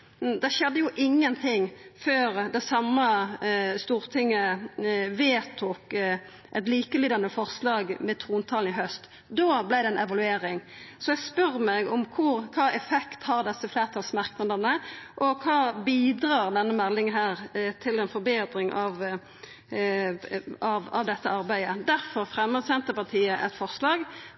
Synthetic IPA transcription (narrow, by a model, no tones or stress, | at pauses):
d̪ɛʃɛd̪ːəjʊʔɪŋːənt̪ʰɪŋføːɾd̪ɛɪsɑmːə | st̪uːɾt̪ʰɪŋːə | ʋeːt̪ʰuːk | ʔɛt̪̬liːkəlyːd̪ɑnəfɔʁslɑːɡmɛt̪ʰɾuːnt̪ʰɑːln̩ɪɦœst̪ | d̪oːblæɪd̪ɛnɛʋɑlʉeːɾɪŋsɔɛɡspœɾmɛɡɔmkʰʊɾkʰɑːɛfɛkt̪hɑʁd̪ɛsːəflæːʁt̪ʰɑlsmɑʁknɑd̪əʁnəʔɔkʰɑːbiːd̪ʁɑːʁd̪ɛnːəmɛlːɪŋɦæːʁt̪ʰɪlɛnfɔɾbeːd̪ɾɪŋʔɑʋ | ɑʋɑʋd̪ɛt̪ːəɑʁbæɪəd̪æʁfɔʁfʁɛmːəʁsɛnt̪əpɑt̪ʰiːəʔɛt̪fɔʁslɑːɡ